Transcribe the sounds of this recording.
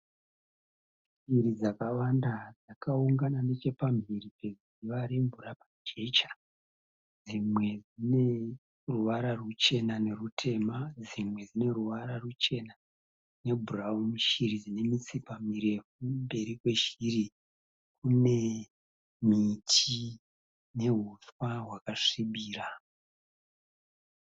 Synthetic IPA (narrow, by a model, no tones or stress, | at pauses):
mbiɾid͡zakawandad͡zakauŋɡanane̞t͡ʃe̞pambiripe̞z | iʋaɾeɱvuɾapad͡ʒe̞t͡ʃḁ | d͡zimwe̞d͡zine̞ | ruʋaɾarut͡ʃe̞nane̞rutʰe̞mad͡zimwe̞d͡zine̞ruʋaɾarut͡ʃe̞na | ne̞bʱuraumiʃirid͡zine̞mit͡sipamiɾe̞fumbe̞ɾikwe̞ʃiri | kune̞ | mitʰi | ne̞ɦuswaɦwakaʂiɓiːra